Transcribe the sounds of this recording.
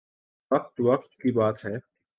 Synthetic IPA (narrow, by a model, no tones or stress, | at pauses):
ɐq̚t̪ʋɐq̚t̪kibaːt̪ɦɛː